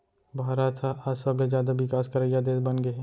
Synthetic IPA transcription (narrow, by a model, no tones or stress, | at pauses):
bʱaːɾaːt̪ʰaʔaːsəbled͡ʒjaːd̪abɪkaːskɐɾəjad̪eːsbɐnɡəɛ̃